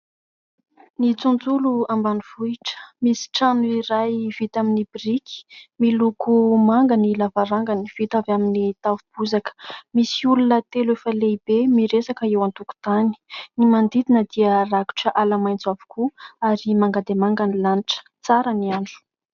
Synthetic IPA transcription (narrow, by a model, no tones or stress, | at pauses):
nit͡sund͡zuluambanuvuiʈ͡ʂə̥misi̥ʈ͡ʂanuiɾajv̥it̪aminibirikʰi̥milukumaŋɡənilavaɾaŋɡaniv̥it̪avaminit̪avub̥uzakə̥misiulunət̪eluefəleibemiɾesakəewant̪uku̥t̪ani̥nimand̪id̪inəd̪̥iəraku̥ʈ͡ʂəʔalamajnt͡savu̥kʰuaɾimaŋɡad̪emaŋɡanilaniʈ͡ʂə̥ | t͡saɾəniaɳɖ͡ʐu̥